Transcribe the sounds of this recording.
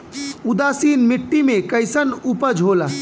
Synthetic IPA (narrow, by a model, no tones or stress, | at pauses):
ud̪asinmiʈːimekəɪsənupəd͡ʒʱola